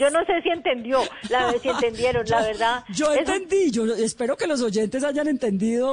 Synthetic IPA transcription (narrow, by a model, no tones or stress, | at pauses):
d͡ʒo̞no̞se̞sie̞nt̪e̞nd̪jo̞lasient̪e̞nd̪je̞ɾonlaβe̞ɾðaðd͡ʒo̞enst̪e̞nd̪iʝoespe̞ɾo̞ke̞lo̞s̬oʝe̞nt̪e̞s̬aʝane̞nt̪e̞nd̪iðo